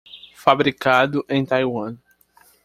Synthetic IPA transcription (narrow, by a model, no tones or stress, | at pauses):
fabɾikad̪ʊʔẽj̃t̪ajwɐ̃